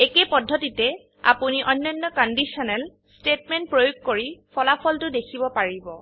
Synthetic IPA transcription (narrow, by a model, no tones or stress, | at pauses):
ekepɔdʱːɔtitɛ | a̰puniʔɔnːɔnːɔkɔndisɔnɛl | stetmɛnt̚pɹojoɡ̚koɹipʰɔlapʰɔltʊdekʰibɔpaɹibɔ